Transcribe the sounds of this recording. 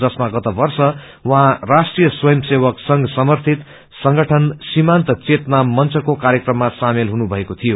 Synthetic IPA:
d͡zʌsmaɡʌt̪ʌbʌrsʌ | wʌɦãrasʈrijʌswʌjʌmsewʌksʌŋɡʌsʌmʌrt̪ʰit̪ | sʌŋɡʌʈʰʌnsimant̪ʌt͡set̪namːʌnt͡sʌkokaɾjekrʌmːasamelɦunubʱʌekot̪ʰijo

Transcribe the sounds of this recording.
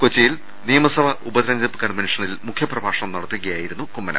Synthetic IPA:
kot͡ɕːɐjil | nijɐmɐsɐʋɐʔubɐðɐɾɐnd̪ɐpːɨkːaːɳmɐniʂɐnɐilmukʰjɐprɐbʱaːʂɐɳɐmnɐɽɐt̪ːiuɣɐjaːjiɾunːukumːɐnɐ̰

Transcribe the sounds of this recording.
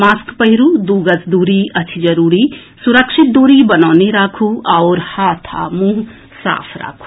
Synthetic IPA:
maːskpəɦiɾud̪uːɡət͡sd̪uːɾiɐt͡ʃʰid͡ʒɐɾuːɾi | suɾəkʃɪt̪̚d̪oːɾibɐnaːneɾaːkʰuaʊɾhaːt̪ʰa̰muːɦ | sa̰ːpʰɾa̰ːkʰu̥

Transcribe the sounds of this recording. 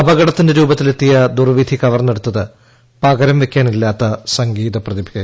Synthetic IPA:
ɐbɐɣɐɽɐt̪ːinde̞ɾuːbɐt̪ːile̞t̪ːijɐd̪urʋid̪ʱikɐʋɐrnɐɽut̪ːɐðɨ | pɐɡɐɾɐmʋe̞kʲːaːnilːaːt̪ːɐsɐŋɡiːðɐprɐðibʱikɐ

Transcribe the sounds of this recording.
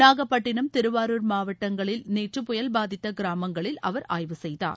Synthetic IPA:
naːɣɐpːɐʈːɪnɐmt̪ɪɾɯʋaːɾuːɾmaːʋɐʈːɐŋɡɐɭɪlneːʈrɯpʊjɐlbaːðɪt̪ːɐɡɪɾaːmɐŋɡɐɭɪlɐ̰ʋɐɾa̰ːjʋɯsɛjða̰ːɾ

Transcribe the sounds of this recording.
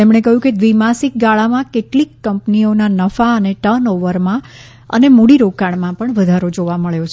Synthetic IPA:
emɳ̃ekəɦjũked̪ʋimasik̚ɡaɭamãkeʈlikːəmpnionanəfaəneʈənoʋəɾmã | ə̰nemuɽiɾokaɳmãpəɳʋəd̪ʱaɾod͡ʒoʋaməɭjot͡ʃʰ

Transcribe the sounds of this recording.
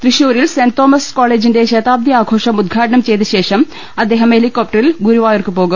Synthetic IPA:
t̪riɕuːɾilsent̪oːmɐskoːɭeːd͡ʑinde̞ɕeːt̪aːb̚d̪iaːɡʱo̞ːʂɐmud̪̚ɡʰʱaːʈɐɳɐmt͡ɕe̞jt̪ɨɕe̞ːʂɐm | ɐd̪ːe̞ːɦɐmhelikːoːp̚ʈɐrilɡuɾuʋaːjorkɨpo̞ːɣum

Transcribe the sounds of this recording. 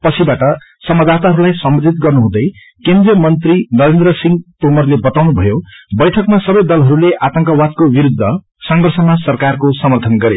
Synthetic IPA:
pʌt͡sʰibaʈʌ | sʌmʌd̪at̪aɦʌɾulajsʌmbʌd͡zʱit̪̚ɡʌrnuɦũd̪ʌj | kend̪rijʌmʌnt̪rinʌɾend̪ɾʌsiŋɡt̪omʌrlebʌt̪awnubʱʌjobʌjʈʰʌkmasʌbʌjd̪ʌlɦʌɾuleʔat̪ʌŋkʌwat̪̚kobiɾud̪ʱːʌ | sʌŋɡʌrsʌnasʌrkarkosʌmʌrt̪ʰʌnɡʌɾe

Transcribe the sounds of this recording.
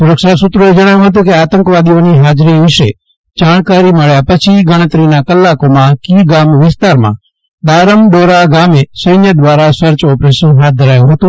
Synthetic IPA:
sʊɾəkʃasʊt̪ɾũed͡ʒəɽ̃ajũɦət̪̬ũkeaːt̪ə̃ŋkʋad̪ioniɦad͡ʒɾiʋɪʃe | d͡ʒaːɳ̃kaɾiməɭjapət͡ʃʰiɡəɽ̃ət̪ɾinakəlːakomãkiɡamʋɪst̪aɾmã̰ | d̪aːɾəmɖoɾaɡamesəjnjəd̪ʋaɾasəɾt͡ʃɔpɾeʃənɦat̪̚d̪ʱəɾajũɦət̪ũ

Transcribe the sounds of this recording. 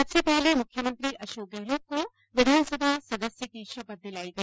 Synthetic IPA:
ɐbsepɛɦlemʊkʰjəmə̃nt̪ɾiʔɐʃoːkɛɦloːk̚ko | ʋɪd̪ʱaːnsɐbʱasɐd̪əsjəkiʃɐpɐɾd̪ɪlaːikɐ

